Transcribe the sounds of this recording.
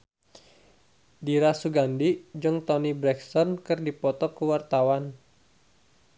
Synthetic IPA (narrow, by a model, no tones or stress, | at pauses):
diɾasuɡandid͡ʒɨŋt̪ɔnibɾɛksɔnkɨrdipɔt̪ɔkəwart̪awan